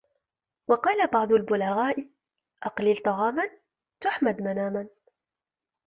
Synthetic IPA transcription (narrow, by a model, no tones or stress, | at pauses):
wɑqɑːlabɑʕd̪ˤʊlbʊlaɣaːʔ | ʔɑqlɪlt̪ˤɑɣɑːman | t̪ʊħmad̪manaːman